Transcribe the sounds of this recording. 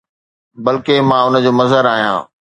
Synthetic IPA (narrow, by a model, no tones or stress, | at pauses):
bɐlkemãːʊnə̆d͡ʑoːmɐzəɾaːɦijã̰ː